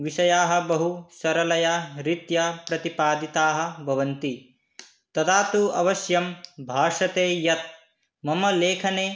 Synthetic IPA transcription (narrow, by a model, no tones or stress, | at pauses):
ʋiʃɐjaːɦɐ̆bɐɦusɐɾɐlɐjaɾit̪jɐpɾɐt̪ipaːd̪it̪aːɦɐ̆bʱɐʋɐnt̪i | t̪ɐt̪aːt̪uɐʋɐʃjɐmbʱaːʂɐt̪eːjɐt̪̚ | mɐmɐleːkʰɐneː